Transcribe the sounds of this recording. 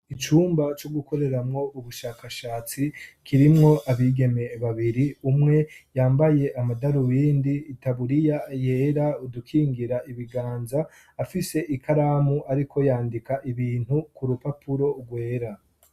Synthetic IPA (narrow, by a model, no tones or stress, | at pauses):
it͡ʃuːmbat͡ʃoɡuko̞ɾe̞ɾamŋo̞ʔuβuʃaːkaʃaːt͡sikʰiɾimŋo̞ʔaβiːɡe̞me̞βaβiɾiumŋe̞jaːmbaje̞ʔamadaɾuwiːndiːtaβuɾijaje̞ːɾaudukʰiːŋɡiɾaiβiɡaːnzaː | fise̞ʔikʰaɾamuʔaɾikʰo̞jaːndikaʔiβiːn̥hukuɾupapuɾo̞ɡwe̞ːɾa